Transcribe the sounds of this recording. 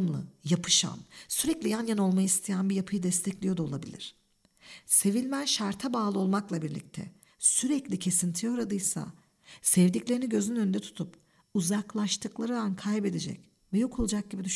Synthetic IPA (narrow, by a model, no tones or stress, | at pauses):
mlˠɯ̰japʰɯ̥ʃa̰nsyɾɛclʲijanjano̞lˠmajɯist̪ʰijænbijapʰɯjɯd̪ɛst̪ʰɛclʲijo̞d̪aolˠabḭlʲḭɾ̝̥ | se̞vilʲmænʃaɾt̪ʰabaːlˠɯo̞lˠmaklˠabiɾlʲḭc̚t̪ʰɛ̰ | syɾɛclʲicʰe̞sint̪ʰijo̞ɾad̪ɯjsa̰ | sɛvd̪iclʲe̞ɾiniɟø̞zynynø̞nd̪ɛt̪ʰu̥t̪ʰup | uzaklˠaʃt̪ʰɯklˠaɾɯd̪ankʰajbe̞d̪e̞d͡ʒɛ̰c | vɛjokʰo̞lˠud͡ʒak̚ɟibid̪yʃ